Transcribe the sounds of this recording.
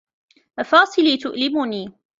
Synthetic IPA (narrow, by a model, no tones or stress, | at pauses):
ʔafɑːsˤɨliːt̪ʊʔlɪmʊniː